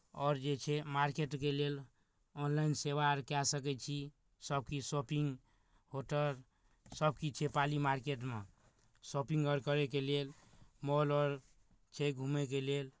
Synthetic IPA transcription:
ɔɾd͡ʒet͡ʃʰɛmaɾkeʈkelel | ɔnlainseʋaɾkasəkɛt͡ʃʰi | səb̚ʱkisopiŋɡ | hoʈəɾ | səb̚ʱkit͡ʃʰepalimaɾkeʈ̬me | sopĩŋɡəɾkəɾekelelmɔlɔɾ | t͡ʃʰeɡʱumek̬elel

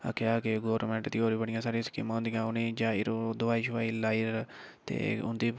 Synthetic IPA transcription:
ə̰kʰːjaːkeɡoːɾmɛ̃ːɳʈd̪iːoːɾiːbəɽ̃ɪjãːsaːɾĩskɪmãːʊ̃nd̪ijãːʊnẽːd͡ʒãːɪɾod̪ʊʋaːiːt͡ʃʊaːiːlaːiɾ | t̪ḛːʊ̰̃nd̪iː

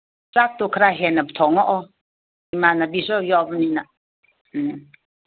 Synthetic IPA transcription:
sak̚t̪okʰəɾaɦɛnabt̪ʰɔŋɔʔɔ | imanabisɔjɔbnina

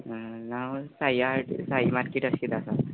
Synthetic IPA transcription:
nawsaiaʈsaɦimaɾkeʈəsit̪asa

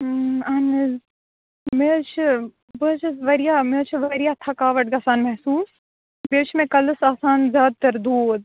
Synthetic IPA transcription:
anɨ | met͡ʃʰ | bət͡ʃʰɨʋɐɾijaːmeːt͡ʃʰʋɐɾijaːt̪ʰɐkaːʋɐʈ̚ɡɐːsaːnmɐɦsuːs | beːt͡ʃʰmẽkɐlɨsaːsaːnzʲjaːd̪̚t̪ɐɾd̪uːd̪̚

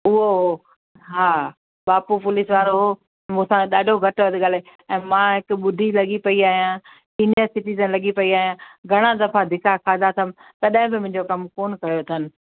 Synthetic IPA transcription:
ʊɦoɦo | ɦaː | ɓaːpupʊlɪsʋaːɾoɦoː | mũsãɗaːɖʱoɡʱɐʈʋɐd̪ɪ̆ɠaːleɛ̃ːmãːɦɪkɓʊd̪ʱilɐɠipɐiaːɦijã | siːnjəɾsɪʈiːzənlɐɠipɐiaːɦijãɡʱɐɽ̃ad̪ɐfad̪ʱɪkʰakʰaːd̪at̪ʰɐmɪ̆ | t̪ɐɗə̃ɦɪ̃bɪmʊ̃ɦɪ̃ɲd͡ʑokɐmkoːnkɐɾjot̪ʰɐnɪ̆

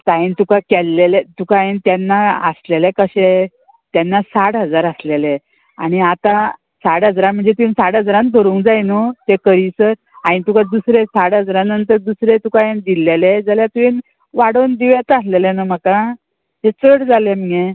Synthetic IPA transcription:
t̪aint̪ukakɛlːelet̪ukaent̪janːaə̰slelekəɕe | t̪janːasaʈɦəd͡zaɾəslele | a̰ɽ̃iat̪a | saʈɦəd͡zɾãmm̤əɳd͡zet̪insaʈɦəd͡zɾãnb̪ʱəɾuːŋkd͡zajnut̪ekəɾiːsəɾ | ãĩnt̪ukad̪usɾesaɽɦəd͡zɾãnənt̪əɾd̪usɾet̪ukaend̪ilːeled͡zaljat̪uen | ʋaɽond̪iʋat̪aslelenam̤aka | ɦet͡səɽd͡zalem̤əɡe

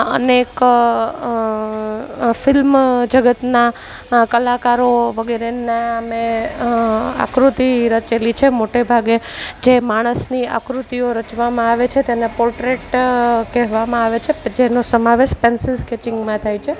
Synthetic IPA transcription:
ə̰nek | fɪlmd͡ʒəɡət̪na | kəlakaɾoʋəɡɛɾeneame | a̰kɾut̪iɾət͡ʃelit͡ʃʰemoʈebʱaɡed͡ʒemaɽ̃əsnia̰kɾut̪ioɾət͡ʃʋamãaʋet͡ʃʰet̪enepolʈɾeʈkɛɦʋamãaʋet͡ʃʰed͡ʒenosəmaʋeʃpensɪzkɛt͡ʃɪŋɡmãt̪ʰajt͡ʃʰe

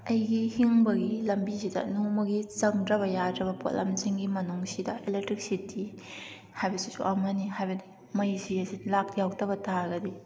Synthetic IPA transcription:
ɐjɡihiŋbɐɡilɐmbisidɐ̰nowmɐɡit͡ʃɐŋdɾɐbɐjadɾɐbɐpo̰tlʔɐ̰mziŋɡimɐnuŋsidɐʔelek̚tɾik̚sitʰːi | hajbɐsisṵʔɐmɐnihajbɐdi | mɐjsiɐzilak̚jawtɐbɐtaɾɡɐdi

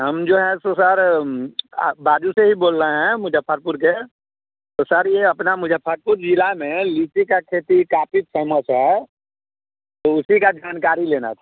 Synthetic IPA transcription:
ɦəmd͡ʒoːɦɛ̃sosaɾ | baːd͡ʒuseɦiboːlːəɦɛ̃mʊd͡ʒəpʰːəɾpʊɾke | soːsaɾjeəpnamʊd͡ʒəpʰːəɾpʊɾd͡ʒilamẽliːt͡ʃikakʰeːt̪ikaːpisəmət͡ʃʰɦɛ | t̪oʊsikad͡ʒaːnkaːɾileːna̰t̪ʰa

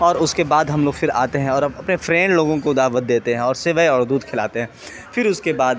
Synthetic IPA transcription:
ɔːɾʊskebaːd̪ɦɐmloːɡfɪɾa̰ːt̪eɦɛ̃ɔːɾɐpnefɾɛ̃ːɳɖloːɡõk̬od̪aːʋət̪̚d̪eːt̪eɦɛ̃ɔːɾseʋəeɔːɾd̪uːd̪kʰɪla̰ːt̪eɦɛ̃ː | fɪɾʊskebaːd̪

